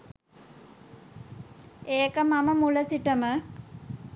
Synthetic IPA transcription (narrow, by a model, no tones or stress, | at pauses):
eːkəmaməmuləsiʈəmə